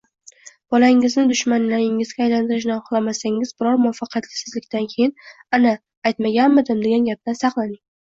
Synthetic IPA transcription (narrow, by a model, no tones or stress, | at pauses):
b̥ɒlaɪŋɪznɪd̪ʊʃmanlaɾɪŋɪzɡʲaːjlant̪ʰɪɾɪʃ̬nawqlˠamasaŋɪz̥bɪɾɒɾmʊɒfːɑqʰjat̪lɪ̥sɪzlɪkʲt̪ankʲʰejɪnana | ajt̪maɡʲanmɪd̪ɪmd̪e̞ɡʲanɡʲap̚d̪ansɑqlˠanɪŋ